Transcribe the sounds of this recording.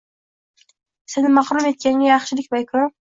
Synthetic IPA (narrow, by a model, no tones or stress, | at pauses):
sɪnɪmːɑχɾume̞t̪̚kʲanɡʲajɑχʃɪlɪkʲbajkʰʊ